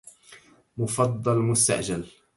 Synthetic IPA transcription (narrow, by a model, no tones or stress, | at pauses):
mʊfɑd̪ˤːɑlmʊst̪a̰ʔd͡ʒal